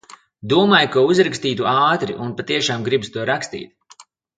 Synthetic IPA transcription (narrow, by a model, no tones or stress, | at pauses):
d̪uɔmaːjukauzɾakst̪iːt̪uaːt̪ɾḭʔunpat̪iɛʃaːmɡɾibst̪uɔɾakst̪ḭːt̪